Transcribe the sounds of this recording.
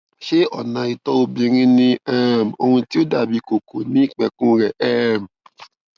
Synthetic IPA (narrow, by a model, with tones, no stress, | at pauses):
ʃe˦ɔ˦˨nã˨i˧tɔ˦o˧bĩ˧ɾ̃ĩ˦nĩ˦ɛ˦˨m̩˨o˧hũ˧ti˦o˦da˦˨bi˨˦ko˨ko˨nĩ˦i˦˨k͡pɛ˧kũ˦ɾɛ˦˨ʔɛ˦˨m˨